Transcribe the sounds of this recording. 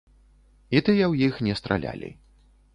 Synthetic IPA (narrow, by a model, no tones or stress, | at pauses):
it̪ɨjɐwjixnʲɛst̪ɾalʲa̰lʲḭ